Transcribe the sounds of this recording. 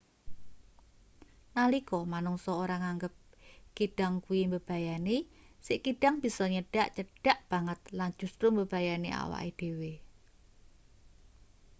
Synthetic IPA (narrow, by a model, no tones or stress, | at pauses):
nalikɔmanuŋsɔoɾaŋaŋɡəp̚kiɖ̥aŋkuimbəb̥a̤jane | sɪʔkiɖ̥aŋb̥i̤sɔɲəɖ̥aʔt͡ʃəɖ̥a̤ʔb̥a̤ŋət̪̚lan̥ʒ̥ṳst̪ɾombəb̥ajanea̰wa̰ʔid̪̥e̤we